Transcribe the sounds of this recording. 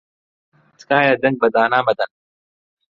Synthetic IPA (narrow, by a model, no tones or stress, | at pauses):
t͡skaːjad̪ɐŋɡ̚bɐd̪aːnaːmɐd̪ɐn